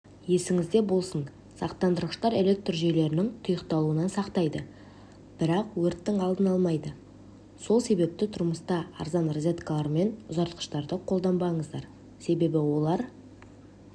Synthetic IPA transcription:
je̞sɪŋɪzd̪e̞bo̞lˠsən | sɑ̰qt̪ɑnd̪əɾəʃt̪ɑɾe̞le̞k̚t̪rʒe̞jle̞ɾɪnɪŋt̪ʰʊjəqt̪ɑlˠuənɑnsɑqt̪ɑjd̪ə | b̥ɪɾɑqwɵɾt̪ːɪŋɑlˠd̪ənɑlˠmɑjd̪ə | so̞lˠse̞be̞p̚t̪ɪt̪ʰʊɾməst̪ɑɑ̰ɾzɑnrozʲe̞t̪kalˠɑɾme̞nʊzɑɾt̪qə̥ʃt̪ɑɾd̪əqʰold̪ɑmbɑɴəzd̪ɑɾ | se̞be̞bɪwo̞lˠɑɾ

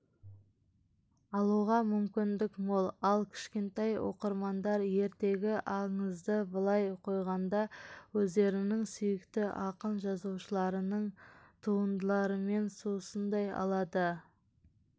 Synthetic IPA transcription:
ɑlˠuʁɑmʏmkʲɪnd̪ɪkmolˠɑlˠkʲʰɪ̥ʃkʲe̞nt̪ejwo̞̰qəɾmɑnd̪ɑɾje̞ɾt̪e̞ɡʲɪʔɑɴəzd̪əbəlˠɑjqʰo̞jʁɑnd̪ɑwɵzd̪e̞ɾɪnɪŋsʏjɪkt̪ɪʔɑqənʒɑzuwʃəlˠɑɾənəɴt̪ʰuənd̪əlˠɑɾəme̞nsosənd̪ɑjɑ̰lˠɑd̪ə

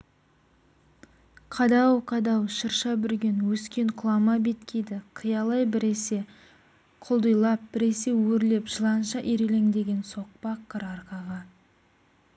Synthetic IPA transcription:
qʰɑd̪ɑwqʰɑd̪ɑwʃəɾʃɑbɪɾɡʲe̞nwɵskʲe̞ɴqʰʊlˠɑmɑbe̞t̪kʲʰe̞jd̪ɪqʰəjɑlˠɑjbɪɾese̞ | qʰʊlˠd̪ujlˠɑp̚b̥ɪɾe̞se̞wɵɾle̞pʒ̥əlˠɑnʃɑʔiɾele̞ŋd̪e̞ɡʲe̞nso̞q̚pɑqʰːəɾɑɾqɑʁɑ

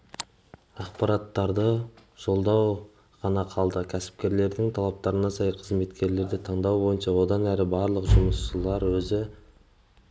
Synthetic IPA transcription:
ɑqpɑɾɑt̪ːɑɾd̪əʒ̥o̞lˠd̪ɑw | ʁɑnɑqʰɑlˠd̪əkʲʰæsɪ̥pkʲe̞ɾle̞ɾd̪ɪŋt̪ʰɑlˠɑp̚t̪ɑɾənɑsɑjqʰəzme̞t̪kʲe̞ɾle̞ɾd̪ɪt̪ʰɑɴd̪ɑwbo̞jənʃɑwo̞d̪ɑnæɾɪbɑɾlˠəqʒʊməsʃəlˠɑɾwɵzɪ

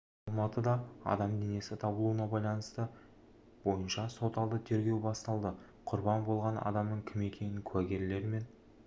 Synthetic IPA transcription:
ɑlˠmɑt̪əd̪ɑɑ̰d̪ɑmd̪e̞ne̞sɪt̪ʰɑbəlˠuənɑbɑjlˠɑnəst̪ə | bo̞jənʃɑso̞t̪ɑlˠd̪ət̪ʰe̞ɾɡʲe̞wbɑst̪ɑlˠd̪ə | qʰʊɾbɑnbo̞lˠʁɑnɑ̰d̪ɑmnəɴkʲʰɪme̞kʲʰe̞nɪŋkʲʰʉwæɡʲe̞ɾle̞ɾme̞n

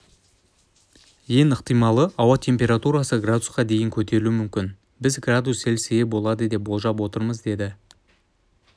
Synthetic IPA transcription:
je̞nəqt̪əjmɑlˠəʔɑwɑt̪ʲʰe̞mpʲe̞ɾat̪uɾasəɡrad̪ʊsqɑd̪e̞jɪŋkʲʰɵt̪e̞ɾɪluɪmʏmkʲɪn | bɪzɡrad̪use̞lseɡʲebo̞lˠɑd̪əd̪e̞p̚bo̞lˠʒɑpwo̞t̪əɾməzd̪e̞d̪ɪ

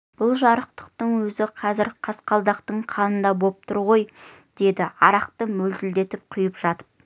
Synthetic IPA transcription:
b̥ʊlˠʒɑɾəqt̪ə̥q̚t̪əɴwɵzɪqʰɑzɪɾqʰɑsqɑlˠd̪ɑqt̪əɴqʰɑnənd̪ɑbo̞p̚t̪ʰʊɾʁo̞j | d̪̥e̞d̪ɪɑɾɑqt̪əmɵld̪ɪld̪e̞t̪ɪp̚qʰʊjəpʒ̥ɑt̪ə̥p̚

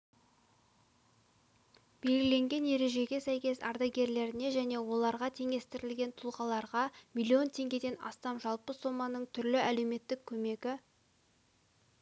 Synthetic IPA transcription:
b̥e̞lɡʲɪle̞ŋɡʲe̞nje̞ɾe̞ʒe̞ɡʲe̞sæjkʲe̞sɑ̰ɾd̪ɑɡʲe̞ɾle̞ɾɪne̞ʒæne̞wo̞lˠɑɾʁɑt̪ʰe̞ŋʲe̞st̪ɪɾɪlɡʲe̞nt̪ʰʊlˠʁɑlˠɑɾʁɑmilʲːio̞nt̪ʰe̞ŋɡʲe̞d̪e̞nɑ̰st̪ɑmʒɑlˠpəso̞mːɑnəɴt̪ʰʏɾlɪæle̞wme̞t̪ːɪkʲʰːɵme̞ɡʲɪ

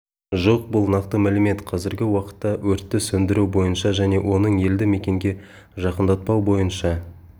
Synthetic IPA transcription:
ʒo̞q̚bʊlˠnɑqt̪əmælɪme̞t̪qʰɑzɪɾɡʲɪwɑqə̥t̪ːɑwɵɾt̪ːɪsɵnd̪ɪɾubo̞jənʃɑʒæne̞wʔo̞nəɴe̞ld̪ɪme̞kʲe̞ŋɡʲe̞ | ʒɑqənd̪ɑt̪̚pɑwbo̞jənʃɑ

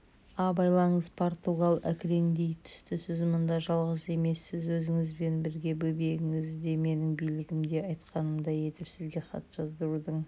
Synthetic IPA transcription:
ɑbɑjlˠɑɴəzpʰo̞ɾt̪uɡalˠæ̰kʲɾe̞ŋd̪e̞jt̪ʰʏ̥st̪ɪsɪzmʊnd̪ɑʒɑlˠʁəse̞me̞sːɪzwɵzɪŋɪzbe̞nbɪɾɡʲe̞bɵbeɡɪŋɪzd̪e̞me̞nɪŋbijlɪɡʲɪmd̪e̞ɑjt̪qɑnəmd̪ɑje̞t̪ɪpsɪzɡʲe̞χɑ̰t̪ʒ̥ɑzd̪əɾud̪əɴ

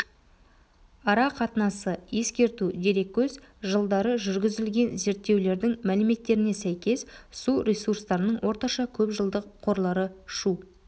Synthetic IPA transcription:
ɑɾɑqʰɑt̪ənɑsəje̞skʲe̞ɾt̪ud̪e̞ɾe̞k̚ʲʰːɵz | ʒəlˠd̪ɑɾəʒʏɾɡʲɪzɪlɡʲe̞nze̞ɾt̪ːe̞wle̞ɾd̪ɪŋmælɪme̞t̪ːe̞ɾɪne̞sæjkʲe̞ssuɾʲesurst̪ɑɾənəɴwʔo̞ɾt̪ɑʃɑkʲʰɵpʒəlˠd̪əqqʰːo̞ɾlˠɑɾəʃu

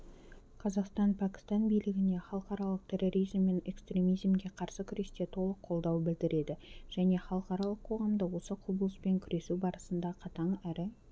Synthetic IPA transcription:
qʰɑzɑqst̪ɑnpʰækʲɪ̥st̪ɑnbijlɪɡʲɪne̞χɑlˠəqɑɾɑlˠəq̚t̪ʲʰe̞rːo̞ɾijzmːe̞ne̞kst̪ɾʲe̞mijzmɡʲe̞qʰɑɾsəkʲʰʏɾe̞st̪e̞t̪ʰo̞lˠəqʰːo̞lˠd̪ɑwbɪld̪ɪɾe̞d̪ɪʒ̥æne̞χɑlˠəqɑɾɑlˠəqʰo̞ʁɑmd̪əwo̞səqʰobəlˠəspe̞ŋkʲʰʏɾe̞subɑɾəsənd̪ɑqʰɑt̪ɑɴæɾɪ

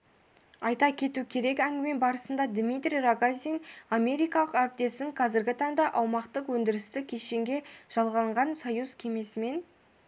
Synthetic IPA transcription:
ɑjt̪ɑkʲʰe̞t̪ukʲʰe̞ɾe̞kæŋɡʲɪme̞nbɑɾəsənd̪ɑd̪mit̪ɾʲijraɡaziname̞ɾijkɑlˠəqæɾɪp̚t̪e̞sɪŋqʰɑzɪɾɡʲɪt̪ʰɑɴd̪ɑʔɑwmɑqt̪əqwɵnd̪ɪɾɪst̪ɪkʲʰeʃe̞ŋɡʲe̞ʒ̥ɑlˠʁɑɴʁɑnsɑjuzkʲʰe̞me̞sɪme̞n

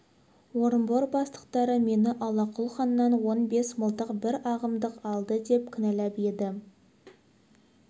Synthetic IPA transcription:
wo̞ɾəmboɾbɑst̪ə̥qt̪ɑɾəme̞nɪʔɑlˠɑqʰʊlˠχɑnːɑnwo̞nbe̞sməlˠt̪əqbɪɾɑʁəmd̪əqɑlˠd̪əd̪e̞p̚kʲʰɪnælæpe̞d̪ɪ

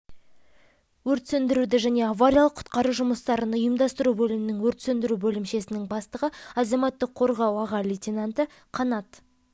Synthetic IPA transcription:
wɵɾt̪sɵnd̪ɪɾud̪ɪʒæne̞avaɾʲijɑlˠəqʰʊ̥t̪qɑɾuʒʊməst̪ɑɾənʊjəmd̪ɑst̪əɾubɵlɪmɪnɪŋwɵɾt̪sɵnd̪ɪɾubɵlɪmʃe̞sɪnɪŋbɑst̪əʁəɑzɑmɑt̪ːəqʰo̞ɾʁɑwɑʁɑlʲit̪ʲinant̪ə | qʰɑnɑt̪

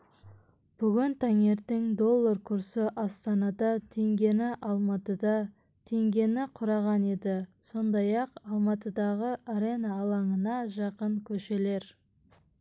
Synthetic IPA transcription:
b̥ʏɡʲɪnt̪ʰæŋe̞ɾt̪eŋd̪o̞lˠːaɾkʰʊɾsɪʔɑst̪ɑnɑd̪ɑt̪ʰe̞ŋɡʲe̞nɪʔɑlˠmɑt̪əd̪ɑ | t̪ʰe̞ŋɡʲe̞nɪqʰʊɾɑʁɑne̞d̪ɪso̞nd̪ɑjɑqɑlˠmɑt̪əd̪ɑʁəʔaɾe̞nɑːlˠɑɴənɑʒɑqəɴkʲʰɵʃe̞le̞ɾ

